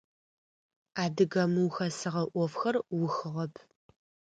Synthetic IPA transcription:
aːdɨɣɐmɨwxɐsɨʁɐʔʷɔfxɐrwʊxɨʁɐpʰ

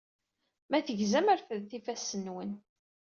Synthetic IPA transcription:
mæθəʝzæmæɾfəðθifæsənwən

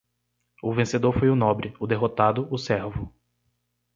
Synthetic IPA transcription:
ʊvẽsed̪oɾfojʊnɔ̃bɾɪʊd̪eɦot̪ad̪ʊʔʊsɛɾvʊ

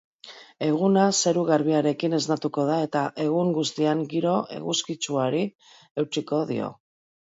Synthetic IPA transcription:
e̞ɣunaseɾuɣaɾβiaɾe̞kine̞znat̪uko̞ð̞ae̞t̪aʔe̞ɣ̞uŋɡust̪iaŋɡiɾo̞e̞̰ɣuskit͡ʃuaɾi | e̞wt͡ʃiko̞ðḭo̞̰

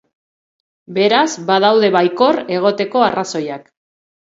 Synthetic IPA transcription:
be̞ɾazbað̞awðe̞βajko̞re̞ɣ̞o̞t̪e̞ko̞araso̞jak

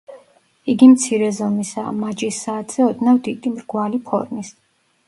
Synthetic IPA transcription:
iɡimt̪sʰiɾɛzɔmisa̰mad͡ʒisːaːt̪ʰz̥ɛɔd̪navd̪id̪imɾɡwalipʰɔ̰ɾmis

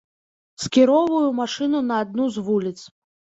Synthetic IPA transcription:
sʲkʲiɾɔvɐjumaʂɨnunɐːd̪̚nuzvulʲit̪s

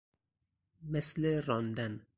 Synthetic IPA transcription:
mesleɾɒːnd̪æn

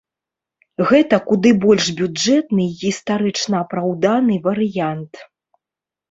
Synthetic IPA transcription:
ɣɛt̪ɐkud̪ɨbɔlʲʂbʲud͡ʐɛt̪nɨɣʲist̪aɾɨt͡ʂnɐːpɾawd̪anɨvɐɾɨjant̪

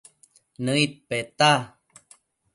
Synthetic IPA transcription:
nəit̪̚pet̪a

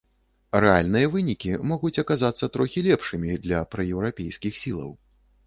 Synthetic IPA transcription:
rɛalʲnɨjɐvɨnʲikʲimɔɣut͡sʲɐkazat̪sːɐt̪ɾɔxʲilʲɛpʂɨmʲid̪lʲɐpɾɐjɛwɾapʲejskʲixsʲilˠɐ̰w

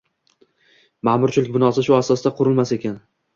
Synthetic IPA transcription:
mamʊɾt͡ʃʰɪlɪkʲbɪnɒsɪʃʊasɒsd̪aqʰʊɾɪlmase̞kʲan

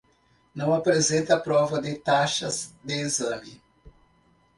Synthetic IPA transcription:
nɐ̃w̃apɾezẽnt̪ɐpɾɔvɐd̪ɪt̪aʃɐzd̪ɪezɐ̃mɪ

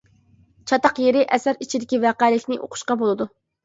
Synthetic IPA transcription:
t͡ʃʰɑt̪ɑqjeɾɪʔɛsæɾit͡ʃʰid̪ɪkʲivæqælɪkʲnɪʔo̰qʰʊ̥ʃqɑbolˠɨd̪u

